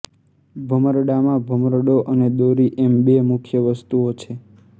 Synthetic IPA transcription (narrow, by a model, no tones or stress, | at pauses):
bʱəməɾɖamãbʱəməɾɖoʔəned̪oɾiʔembemʊkʰjəʋəst̪uot͡ʃʰe